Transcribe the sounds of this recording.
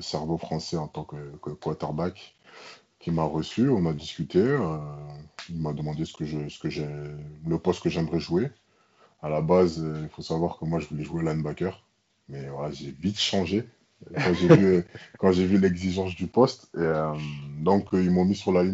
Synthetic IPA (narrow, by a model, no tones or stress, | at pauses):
əsɛʁvofχɑ̃sɛɑ̃t̪ɑ̃kəkkwat̪ɛʁbak | kʲːimaʁəsyɔ̃nad̪iskʲyt̪eø | ilmad̪əmɑ̃d̪esə̥kəʒəsə̥kəʒɛləpɔst̪̚kəʒɛməʁɛʒue | alabazøilfosavwaʁkəmwaʒəvulɛʒuelanbakʲœʁ | mɛvwalaʒevit̪ʃɑ̃ʒe | kɑ̃ʒevykɑ̃ʒevylɛɡziʒɑ̃s̬d̪ypɔst̪eømd̪ɔ̃kəilmɔ̃misyʁlali